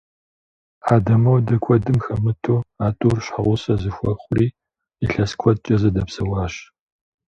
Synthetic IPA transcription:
ħaːdɐmɐwdɐkʷʰɔdɨmxɐmɨtʰoːaːtʼuːrɕħaʁʷʊsɐzɨxʷɔχʷʊriː | iɬɐskʷʰɔt̚t͡ʃʼɐzɐdɐpsɐwɑːɕ

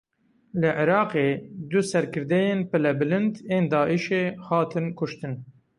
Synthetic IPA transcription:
lɨʕɪɾɑːqeːd̪usɛɾkʰɨɾd̪ɛjeːnpɨlɛbɨlɨnd̪eːnd̪ɑːʔiʃeːhɑːt̪ʰɨnkʰʊʃt̪ɨn

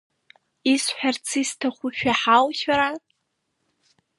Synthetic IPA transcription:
isħʷᶣart͡sʰɨstʰaχʷʊʃᶣaħawʃaɾa

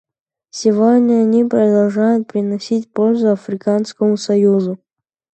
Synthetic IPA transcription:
sʲɪvodʲnʲəɐnʲipɾəd̪ɐlˠʐajʊt̪̚pɾʲɪnɐsʲitʲpolʲzʊɐfɾʲɪkanskəmʊsɐjuzʊ

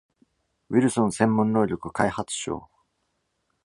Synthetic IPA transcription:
wiɾɯ̟sõnsẽ̞mːõnːo̞ːɾʲo̞kɯ̟kaihat͡sɨ̥ɕo̰ː

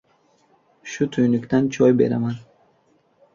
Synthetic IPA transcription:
ʃut̪ʰujnukd̪ant͡ʃʰɔjbḛɾa̰man

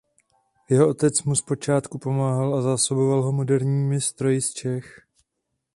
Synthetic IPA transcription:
jɛɦoʔo̞t̪ɛt͡smuspo̞t͡ʃaːt̪kupo̞maːɦalʔazaːso̞bo̞valɦo̞mo̞dɛɾɲiːmɪst̪ɾo̞jɪst͡ʃɛx

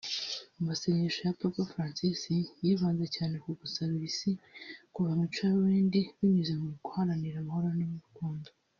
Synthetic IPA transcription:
umaseɲeʃojapapafɾaːnsisijiβaːnzecaːne̞kuɡusaɾβisikuβamit͡ʃaβwiːndiβiɲuzemukuhaɾaniɾamaho̞ɾonimuɾukuːndo

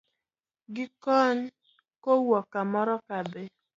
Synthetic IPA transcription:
ɡɪkɔn | kowɔkamɔɾɔkabe

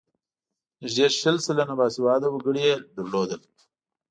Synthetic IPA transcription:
ʒeʃəlsəlanabaːsiwɑːd̪awɐɡəɽijed̪əɾloːd̪əl

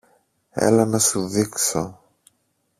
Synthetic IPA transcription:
ḛlɐnɐsuðikso

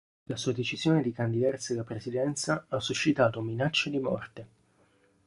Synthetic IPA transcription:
lasuːad̪et͡ʃiz̥joːned̪ikand̪id̪art̪sealːapɾesid̪ɛnt̪saasːuʃːit̪aːt̪ominat͡ʃːed̪imɔ̰rt̪e

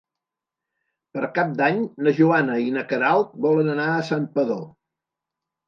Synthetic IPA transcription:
pəɾkap̚d̪aɲnəʒuanəinəkəɾalˠt̪̚bɔlənənaəsampəðo

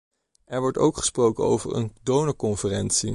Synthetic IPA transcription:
ɛɹʋɔɹto̰wkχə̥sprowkəno̰wvə̰ɹʔə̰ndownəkɔnfərɛnsi

